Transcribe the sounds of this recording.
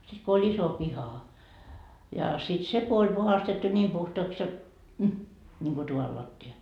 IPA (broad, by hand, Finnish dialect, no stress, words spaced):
sit ko olʲ iso pihɑ jɑ sit se ko olʲ puhɑstetːu nʲiːm puhtoɑks jot m nʲiŋko tuʋɑl lɑtːiɑ